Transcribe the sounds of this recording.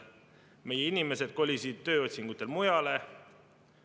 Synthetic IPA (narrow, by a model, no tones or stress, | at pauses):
me̞jeinime̞se̞d̪̥̚ko̞lʲisid̪̚t̪ːø̞ːo̞t̪ʲsiŋɡ̥ut̪ːˑe̞lmujɑle̞